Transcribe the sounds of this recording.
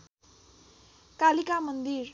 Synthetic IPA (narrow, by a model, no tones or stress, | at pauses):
kalikamʌnd̪iɾ